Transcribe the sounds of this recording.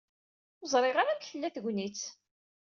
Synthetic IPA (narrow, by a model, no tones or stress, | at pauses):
zˤɾˤɪʁaɾamçəlːæθʝʷnit͡s